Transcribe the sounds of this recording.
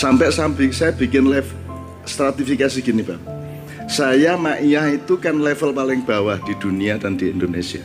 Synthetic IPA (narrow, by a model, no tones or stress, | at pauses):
sampɛʔsambɪŋsajab̥i̤kɪnlɛf | st̪ɾat̪ifikasiɡ̥inib̥ap̚ | sajamaʔijahit̪ukanlɛfəlpalɪŋb̥a̤wahd̥i̤d̪̥ṳniad̥andiindonesia̰